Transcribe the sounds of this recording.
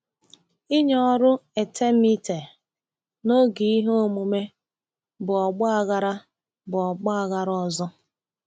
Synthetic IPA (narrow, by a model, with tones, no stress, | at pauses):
i˦ɲɔ˦ɾʊ˦e˨tʰe˦mi˦te˨ | no˦ɡi˨i˦ɦe˦o˦˨mu˨me˦ | bʊ˨ɔ˨ɡ͡bʊ˦a˨ɣa˦ɾa˦ | bʊ˨ɔ˨ɡ͡bɔ˦a˨ɣa˦ɾɔ˦zɔ˦